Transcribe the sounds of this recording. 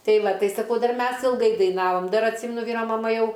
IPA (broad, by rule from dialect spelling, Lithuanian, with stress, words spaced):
ˈtɐɪ ˈʋɐ ˈtɐɪ sɐˈkɐʊ dɐr ˈmʲɛs ɪlˠˈɡɐɪ dɐɪˈnɑːʋoːm ˈdɐr ɐtʲˈsʲiːmʲɛnʊ ˈʋʲiːroː mɐˈmɐ ˈjɛʊ